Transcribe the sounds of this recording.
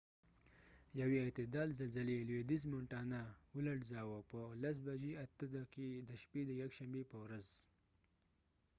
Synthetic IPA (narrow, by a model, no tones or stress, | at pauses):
jaweːt̪ɪd̪ɑːlzalzalelwed̪izmoɳʈɑnaulaɽzɑwopəlas̬baʒiat̪əd̪akid̪əʃped̪əjakʃambepəwɾaz